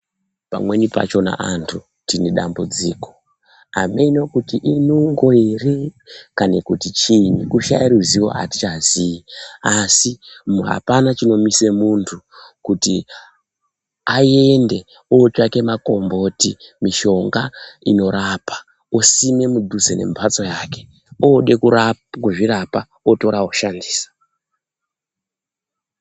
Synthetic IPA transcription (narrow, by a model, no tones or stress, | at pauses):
pa̰mwe̞nipa̰t͡ʃo̞na̰ʔantʰu | tineɗa̰mbud͡ziːko̞̥ | a̰menokutiʔinoŋɡoerekanekutit͡ʃinikuʃa̰iɾuziwo̞̰ɦa̰ti̥t͡ʃaziiasimɦa̰panat͡ʃino̞misemuntʰu | kuti | ae̞nde̞ | ot͡ʃake̞mako̞mbo̞timiʃo̞ŋɡaino̞ɾapḁ | osime̞mudʱuzene̞̰mpʰat͡so̞jaːke̞ | oɗe̞kurakuʐiɾapa | oto̞ɾaoʃandiːsḁ